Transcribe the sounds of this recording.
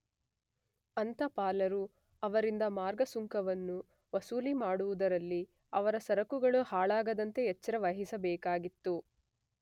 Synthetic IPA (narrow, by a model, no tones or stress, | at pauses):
ɐnt̪ɐpaːlɐɾu | ɐʋɐɾind̪ɐmaːɾɡɐsuŋkɐʋɐnːu | ʋɐsuːlimaːɽuʋud̪ɐɾɐlːi | ɐʋɐɾɐsɐɾɐkuɡɐɭuhaːɭaːɡɐd̪ɐnt̪e̞ːt͡ʃːɐɾɐʋɐɦisɐbɛːkaːɡit̪ːu